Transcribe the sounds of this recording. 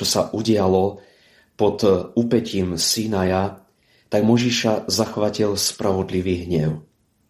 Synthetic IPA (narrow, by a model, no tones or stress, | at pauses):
ɔsaʔuɟɪalɔ | pɔt̪upɛciːmsinaja | t̪aɡmɔʒiʃazaxʋacilspɾʔaʋɔd̪liʋiːɦɲɛʊ